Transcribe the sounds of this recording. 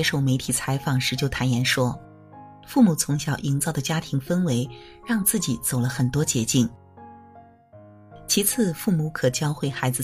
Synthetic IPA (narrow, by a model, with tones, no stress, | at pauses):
ɛ˥ʂo˥˩ʊme˧˥ɪt̪ʰi˨˩t͡sʰa˧˥ɪfɑ˨˩ŋʂɻ̩˧˥t͡ɕjo˥˩ʊt̪ʰa˧˥njɛ˧˥nʂwɔ˥ | fu˥˩mu˨˩t͡sʰʊ˧˥ŋɕjɑ˨˩ʊʔi˧˥ŋt͡sɑ˥˩ʊd̪ə˩t͡ɕja˥t̪ʰi˧˥ŋfə˥nwe˧˥ɪ | ɻɑ˥˧ŋt͡sɹ̩˥˩t͡ɕi˨˩˦t͡so˨˩ʊlə˦xə˨˩nt̪wɔ˥t͡ɕjɛ˧˥t͡ɕi˥˩n | t͡ɕʰi˧˥t͡sʰɹ̩˥˧fu˥˩mu˧˥kʰɤ˨˩t͡ɕjɑ˥ʊxwe˥˩ɪxa˧˥ɪd͡zɹ̩˧